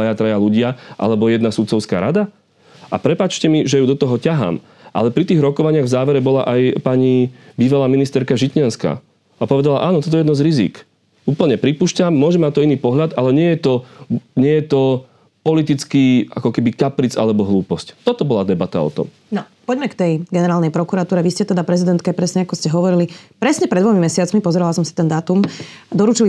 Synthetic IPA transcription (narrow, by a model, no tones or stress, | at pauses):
ajat̪ɾajaluɟɪaʔa̰lɛbɔjɛd̪nasut̪t͡sɔʊska̰ːɾad̪a | ʔapɾɛpaːt͡ʃcɛmiʒɛjuːd̪ɔt̪ɔɦɔcaɦa̰ːm | ʔa̰lɛpɾit̪iːɣɾɔkɔʋaɲɪaɣvzaːʋɛɾɛbɔla̰ʔajpaɲibiːʋalaːminist̪ɛɾkaʒicɲɪanska̰ː | apɔʋɛd̪ala̰ʔaːnɔt̪ɔt̪ɔjɛjɛd̪nɔzɾizḭk | uːpl̩ɲɛpɾipuːʃcamːʊɔʒɛmːat̪ɔiniːpɔɦʎad̪alɛɲɪɛjɛt̪ɔɲɪɛjɛt̪ɔ | pɔlit̪it͡skiːa̰kɔkɛbikapɾit͡sa̰lɛbɔɦluːpɔsct̪ɔt̪ɔbɔlad̪ɛbat̪a̰ɔ̰t̪ɔ̰m | nɔ | pɔɟmɛkt̪ɛjɡɛnɛɾaːlˠnɛjpɾɔkuɾat̪uːɾɛʋiscɛt̪ɛd̪apɾɛzid̪ɛnt̪kapɾɛsɲɛakɔscɛɦɔʋɔɾilipɾɛsɲɛpɾɛd̪ʋɔmimɛsɪat͡smipɔzɛɾɛlasɔmsi̥t̪ɛnd̪aːt̪umd̪ɔɾuːt͡ʃili